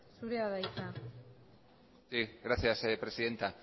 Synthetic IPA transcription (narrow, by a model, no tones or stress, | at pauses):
suɾeaðajsa | siɣɾaθjasepɾe̞siðe̞nt̪a